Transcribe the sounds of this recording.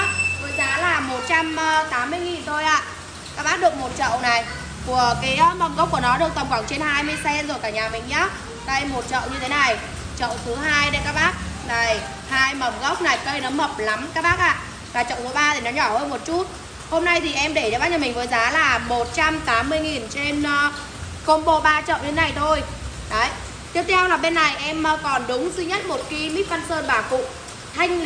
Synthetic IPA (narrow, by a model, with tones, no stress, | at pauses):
vəː˨˦jzaː˨˦laː˨˩mo˨˩t̚t͡ɕa˧mː˧t̪aː˨˦mːɨ˧əjŋi˨˩nt̪ʰo˧jʔa̰ː˧˨ | kaː˦˥k̚ɓaː˦˥t̚ɗɨ˨˩ək̚mo˨˩t̚t͡ɕə̰˧˨wna˨˩j | ku˧˩əkaː˨˦jmə˨˧˩m̚ɣk͡p̚kənɔ˨˦ɗɨ˨˩t̪ə˨˩mŋ͡mxwaː˧˩ŋt͡ɕe˧nhaː˧jmɨ˧əjsɛ˧nzo˨˩jkaː˧˩ɲaː˨˩mḭ̈˧˨ŋ̟ɲaː˨˦ | kə˧jmo˨˩t̚t͡ɕə̰˧˨wɲɨ˧t̪ʰe˨˦na˨˩j | t͡ɕə̰˧˨wt̪ʰɨ˨˦ɦaː˧jɗe˨˦kaː˦˥k̚ɓaː˦˥k̚na˨˩j | haː˧jmə˨˧˩mɣə˦˥k͡p̚na˨˩jkə˧jnɔ˨˦mə˨˩p̚la˨˦mkaː˦˥k̚ɓaː˦˥k̚ʔa̰ː˧˨ | vaː˨˩t͡ɕə̰˧˨ŋ͡mt̪ɨ˨˦ɓaː˧t̪ʰi˨˩nɔ˨˦ɲɔ˧˩həː˧nmo˨˩t̚t͡ɕu˦˥t̚ | ho˧mna˧jt̪ʰi˨˩ʔɛ˧mɗe˧˩t͡ɕɔː˧˩a˦˥ɲə˧˩mï˨˩ŋ̟vəː˨˦jzaː˨˦laː˨˩mo˨˩t̚t͡ɕa˧mt̪aː˨˦mːɨ˧əjŋi˨˩nt͡ɕe˧nː˧ | xə˧mɓo˧˩ɓaː˧t͡ɕə̰˧˨wɲɨ˧e˨˦na˨˩jt̪ʰo˧j | ɗə˨˦j | t̪i˦˥ət̪ʰɛ˧wlaː˨˩ɓe˧nːa˨˩jʔɛ˧m˨˧kɔ˨˩nɗʊ˨˦ŋ͡mzi˧ɲə˦˥t̚mo˨˩t̚ki˧mi˦˥t̚fa˧nsəː˧nɓaː˨˩kṵ˧˨ | t̪ʰa˧jŋ̟